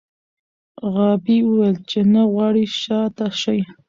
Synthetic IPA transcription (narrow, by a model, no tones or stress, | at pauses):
ɣɑbiwelt͡ʃenaɣwɑɽiʃɑt̪aʃaj